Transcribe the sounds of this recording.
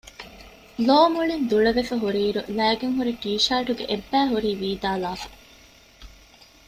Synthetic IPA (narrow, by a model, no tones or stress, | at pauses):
loːmuɭind̪uɭɐʋefɐɦuɾiːɾṵlæːɡeŋɦuɾiʈiːʃaːʈuɡḛʔebːæːɦuɾiːʋiːd̪aːlaːfɐ̥